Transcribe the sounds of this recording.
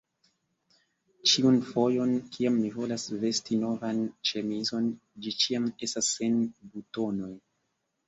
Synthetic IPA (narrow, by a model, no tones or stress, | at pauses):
t͡ʃiunfo̞jo̞nkʰiamːivo̞lasve̞stino̞vant͡ʃemizo̞nd͡ʒit͡ʃiame̞stasːe̞nbuto̞no̞j